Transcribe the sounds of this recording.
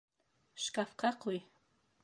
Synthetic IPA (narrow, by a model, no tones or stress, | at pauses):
ʃkafqɑqʊj